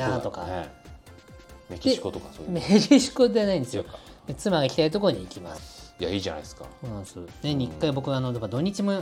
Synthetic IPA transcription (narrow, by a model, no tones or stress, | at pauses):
at̪o̞ka̰ | mekʲie̥kot̪okaomekʲiɕi̥ko̞d̪eanaĩnd̪sjoet͡sɨmaɡaikʲi̥t̪ait̪̬o̞koɾoɲ̟iːkʲimasɨ̥ija̰iːʑana̰isɨ̥ka̰oːnãsɨneɲ̟ikːaibo̞kɯ̟ano̞d̪ebad̪o̞ɲ̟ːit͡ɕimo